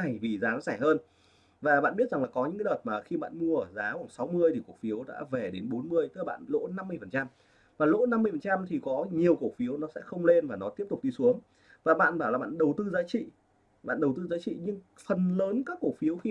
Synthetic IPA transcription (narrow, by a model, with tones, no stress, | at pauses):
a˨˩jvi˨˩zaː˨˦nɔ̰˧˥saː˧˩həː˧n | vaː˨˩ɓa̰ː˧˨nɓi˥t̚za˨˩ŋlaː˨˩kɔ˨˦ɲɨ̰˧˥ŋkːa˨˦ɗəː˨˩t̚maː˨˩xi˧ɓa̰ː˧˨nmu˧əəː˧˩zaː˨˦xwaː˧˩ŋ͡msa˨˦wmɨ˧əjt̪ʰi˨˩ku˨˩ək̚fi˨˦əwɗa̰ː˧˥vɛ˨˩ɗe˨˦nɓo˨˦nmɨ˧əjt̪ɨ˦˥a˨˩ɓa̰ː˧˨nlo̰˧˥na˧mː˧əjfə˨˩nt͡ɕa˧m | vaː˨˩lo̰˧˥na˧mɨ˧əjfə˨˩nt͡ɕa˧mt̪ʰi˨˩kɔ˨˦ɲi˨˩əwku˧˩fi˨˦əwnɔ˨˦sɛ̰˧˥xə˧wŋ͡mle˧nvaː˨˩nɔ˨˦t̪i˦˥əp̚t̪ʊ˨˩k͡p̚ɗi˧su˨˦əŋ | vaː˨˩ɓa̰ː˧˨nɓaː˧˩laː˨˩ɓa̰ː˧˨nɗə˨˩wt̪ɨ˧zaː˨˦t͡ɕḭ˧˨ | ɓa̰ː˧˨nɗə˨˩wt̪ɨ˧zaː˨˦t͡ɕḭ˧˨ɲɨ˧ŋfə˨˩nləː˨˦nkaː˦˥kːo˧˩fi˨˦əwxi˧